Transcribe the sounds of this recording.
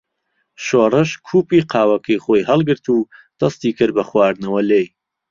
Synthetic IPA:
ʃoːrɨʃkʰuːpiːqʰɑːwɐkʰɐjχoːjhɐlˠɡɨɾt̪ʰuːd̪̥ɐst̪iːkʰɨɾbɐχwaːɾd̪nɐwɐlej

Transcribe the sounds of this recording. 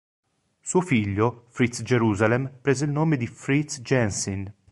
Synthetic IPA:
suːofiʎːofɾit̪sd͡ʒeɾuːzalempɾeːzeilnoːmed̪ifɾit̪sd͡ʒɛnsin

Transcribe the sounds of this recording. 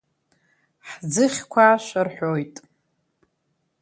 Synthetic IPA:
ħd͡zɨχʲkʷʰaʃʷarħʷojtʼ

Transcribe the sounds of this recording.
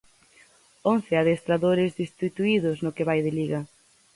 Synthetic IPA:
on̟θɪaðest̪ɾaðoɾɪzðist̪it̪uiðʊsnokɪβajðɪliɣɐ

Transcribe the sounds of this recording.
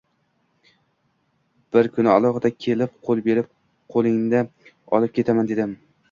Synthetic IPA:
b̥ɪɾkʰʊnɪalˠɒχɨd̪akʲʰelɪp̚qʰolˠbe̞ɾɪp̚ | qʰolˠɪŋnd̪a | ɒlˠɪp̚kʲʰe̞t̪ʰamand̪e̞d̪ɪm

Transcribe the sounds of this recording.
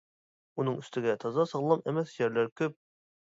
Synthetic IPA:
unɤɴɵ̆st̪ɘ̆ɡʲæt̪ʰɒzɑsɑʁlˠɑmæmæθjæɾlæɾkɵp̚

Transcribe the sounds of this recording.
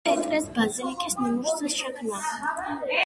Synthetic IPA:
it̪ʼɾʼɛsbazilikʼisnamuʃt̪ʰasʃɛkʰmna

